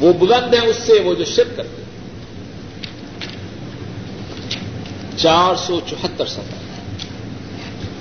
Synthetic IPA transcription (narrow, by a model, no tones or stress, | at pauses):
ʋoːbʊlə̃nd̪ɦɛ̃ʊsːeʋod͡ʒoʃɪɾkkɐɾt̪e | t͡ʃaːɾsɔːt͡ʃʊɦət̪ːəɾsɐ̃t̪ə̰